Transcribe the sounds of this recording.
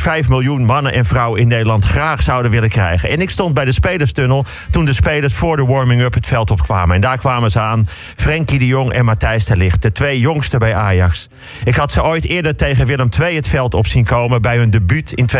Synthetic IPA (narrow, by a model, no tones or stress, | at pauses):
fɛjfmɪlˠjunmɑnəʔɛnfrɑwəɪnːeːdəlɑntxraːxsʌwdənʋɪləkrɛ̰jɣənɛnɪkstɔnd̚bɛjdəspejləɹstønəlˠ | tundəspeːləɹsfʊːɹdəʋɔɹmɪŋøpɦətfɛlˠtɔpkʋa̰ːməɛndaːɹkʋaːməzəaːn | frɛŋkidəjoŋɛ̰nmatɛjstəlɪxt̚d̥ətʋejjoŋstəbɛjaːjɑks | ɪkɦɑtsəojtɪːədərtejɣənʋɪlˠəmtʋejɦətfɛlˠtɔpsinkowməbɛjɦɵndəbytʰɪnt